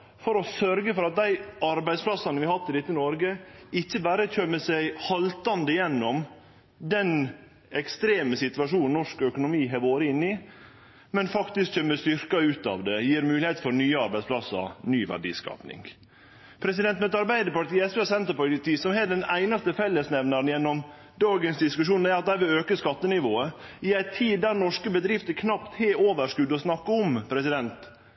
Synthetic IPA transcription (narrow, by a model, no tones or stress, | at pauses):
fɔɾɔsœɾɡəfɔɾɑt̪̚d̪æɪʔɑɾbæɪd̪spʰlɑsɑnəʋɪhɑt̪ːɪlɪt̪ːənɔɾɡəɪçːəbæːɾəc͡çœmːəsæɡhɑlt̪ɑnd̪əjɛnːɔm | d̪ɛn | ɛkst̪ɾeːməsɪt̪ʉʋɑʂuːnnɔʂkœkʊnʊmiːɦɛːɾoːɾəɪnːɪ | mɛnfɑkt̪ɪsk̚çœmːəst̪ʏɾkɑʉːt̪ɑ̰ːʋd̪ɛjiːɾmʉːlɪhɛɪt̪fɔɾnyːəɑɾbæɪdsplɑsə̰ɾnyːʋæ̰ɖḭːskɑ̰ːpnɪ̰ŋ | pʰɾɛs̬ɪd̪ɛnt̪mɛt̪ɑɾbæɪd̪əpɑʈiːɛspeɑsɛnt̪əɾpɑɪt̪iːsɔmhɛːɖɛnæɪnɑst̪əfɛlːəsnɛʋnɑɾən̩jɛnːɔm | d̪ɑːɡənsd̪ɪskʉʂuːnæɾɑt̪̚d̪æɪʋɪløːkəskɑt̪ːənɪʋoːəɪæɪt̪ʰiːd̪d̪æɾnɔʂkəbəd̪ɾɪft̪əkʰnɑpt̪heːoːʋəʂkʉd̪ɔsnɑkːəɔmpʰɾɛsɪd̪ɛnt̪